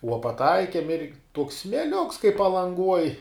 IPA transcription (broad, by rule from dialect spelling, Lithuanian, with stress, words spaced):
uɔ pɐˈtɐɪkʲiɛm ɪr tuɔks sʲmʲeːˈlʲʊks kɐɪ pɐlˠɐŋˈɡuɔj